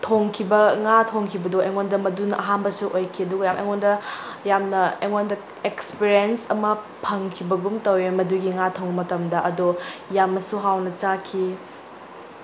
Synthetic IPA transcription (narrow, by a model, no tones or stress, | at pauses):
tʰoŋkʰibɐŋatʰoŋkʰibɐdoʔeŋondɐmɐdunɐʔɐɦanbɐsuʔojkʰiɐduɡɐjamʔḛŋondɐ | jamnɐeŋondɐ | ekspiɾiensɐmɐ | pʰɐŋkʰibɐɡumtɐwemɐduɡiŋatʰoŋbɐmɐtɐmdɐʔɐdojamɐsuɦawnɐt͡ʃakʰi